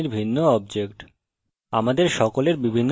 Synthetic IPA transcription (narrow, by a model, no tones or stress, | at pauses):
iɾbʱinːoɔbd͡ʑekʈ | amad̪eɾʃɔkoleɾbibʱinː